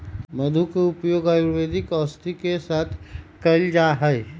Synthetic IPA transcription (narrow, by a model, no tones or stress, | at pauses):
məd̪ʱukeʊpjoːɡajuʋeːd̪ikɔːst̪ikesaːt̪ʰkɐɪld͡ʒaɦɛj